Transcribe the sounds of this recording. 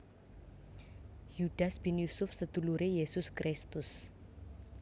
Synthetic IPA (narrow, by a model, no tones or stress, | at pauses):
jud̥asb̥injusʊfsəd̪̥ṳluɾejesʊskɾʔɪst̪ʊs